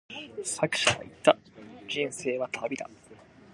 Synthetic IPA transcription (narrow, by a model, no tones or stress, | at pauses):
sakɯ̟̥ɕaβa̰it̪ːa | d͡ʑĩɰ̃se̞ːβat̪ʰabʲid̪a̰